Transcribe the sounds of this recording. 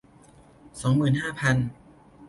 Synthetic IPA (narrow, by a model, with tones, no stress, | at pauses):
sɔː˩˦ŋmɯː˨˩nɦaː˥˩pʰa˧n